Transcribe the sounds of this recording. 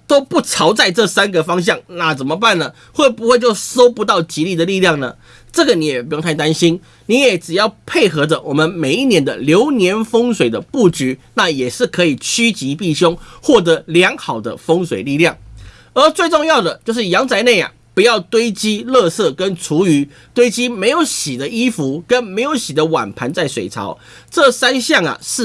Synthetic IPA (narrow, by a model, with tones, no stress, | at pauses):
t̪o˥ʊpu˥˩t͡sʰɑ˧˥ʊt͡sa˥˧ɪʈ͡ʂɤ˥˩sa˥nɡə˨fɑ˥ŋɕ̬jɑ˥˩ŋna˥˩t͡sə˨˩nmə˦pa˥˩nə˩ | xwe˥˩ɪpu˧˥xwe˥˧t͡ɕjo˥˩ʊso˥ʊpu˧˥t̪ɑ˥˩ʊt͡ɕi˧˥li˥˩d̪ə˩li˥˧ljɑ˥˩ŋnə˩ | ʈ͡ʂɤ˥˩ɡə˩ni˨˥jɛ˨˩pu˧˥jŋt̪ʰɪt̪a˥nɕi˥n | ni˨˥jɛ˨˩˦ʈ͡ʂɻ̩˨˩jɑ˥˩ʊpʰe˥˩ɪxɤ˧˥də˨wɔ˨˩mə˦nme˨˩ɪi˥˩njɛ˧˥nd̪ə˧˨ljo˧˥ʊnjɛ˧˥nfɤ˥ŋs̬we˨˩ɪd̪ə˦pu˥˩t͡ɕy˧˥˦na˥˩jɛ˨˩ʂɻ̩˥˩kʰɤ˧˥i˨˩t͡ɕʰy˥t͡ɕi˧˥pi˥˩ɕjo˥ŋxwɔ˥˩t̪̬ɤ˧˥ljɑ˧˥ŋxɑ˨˩ʊd̪ə̰˦fɤ˥ŋswe˨˩ɪli˥˧ljɑ˥˩ŋ | ə˞˧˥t͡swe˥˧ɪʈ͡ʂʊ˥˧ŋjɑ˥˩ʊd̪ə˩t͡ɕjo˥˧ʊʂ̬ɻ̩˥˩jɑ˧˥ŋt͡sa˧˥ɪne˥˩ɪɐ̰˨˩ | pu˧˦jɑ˥˩ʊt̪we˥ɪt͡ɕi˥lɤ˥˧sɤ˥˩kə˦nt͡sʰu˧˥y˧˥˦ | t̪we˥ɪt͡ɕi˥me˧˥ɪjo˧˥ʊɕi˨˩d̪ə˦i˥fu˧˥kə˦˥nme˧˥ɪjo˧˥ʊɕi˨˩d̪ə˦wa̰˨˩npʰa˧˥nt͡sa˥˩ɪswe˨˩ɪt͡sʰɑ̰˧˥ʊ | ʈ͡ʂɤ˥˨sa˥nɕjɑ˥˩ŋɐ̰˨˩ʂɻ̩˥˩